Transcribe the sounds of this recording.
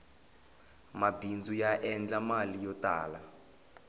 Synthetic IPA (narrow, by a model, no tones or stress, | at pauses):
mabind͡zujaʔɛnd͡ɮamalijɔtaːla